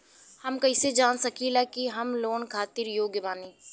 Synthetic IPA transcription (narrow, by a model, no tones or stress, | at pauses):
hɐmkɐɪsed͡ʒaːnsɐkʰilakiɦɐmloːnkʰaːt̪ɪɾjoːɡjəʋaːniː